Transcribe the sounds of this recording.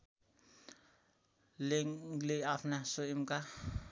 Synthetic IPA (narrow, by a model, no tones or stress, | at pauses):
leŋlejapʰnasoimka